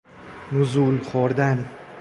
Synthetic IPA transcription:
nʊzʊlχoɾd̪an

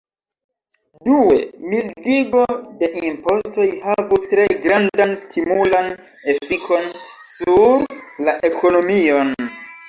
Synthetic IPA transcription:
duwe̞̰mildiɡo̞de̞ʔimpo̞sto̞jhavustɾe̞ɡɾandanstʰimulan | e̞fikʰo̞nsuɾlaʔe̞ko̞no̞mio̞n

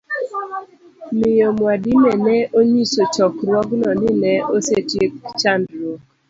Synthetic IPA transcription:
mɪjomwadimɛnɛʔoɲisot͡ʃɔkɾwɔɡnɔnɪnɛosetjekt͡ʃandɾo

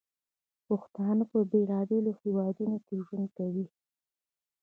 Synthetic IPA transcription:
pʊxt̪ɑnapəbelɑbelohewɑd̪unokeʒwund̪kawi

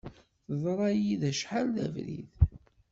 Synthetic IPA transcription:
θəðˤɾˤɑjiðæʃħalðæ̰vɾḭð

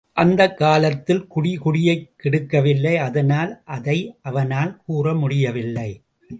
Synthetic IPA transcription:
ʔɐnd̪ɐkːaːlɐt̪ːɪlkʊɽɪkʊɽɪjɐɪkːɪɽɯkːɐʋɪlːɐɪɐðɐnaːlʔɐðɐɪʔɐʋɐnaːlkuːrɐmʊɽɪjɐʋɪlːɐɪ

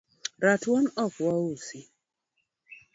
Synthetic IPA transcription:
ɾatwɔnɔkɔwusi

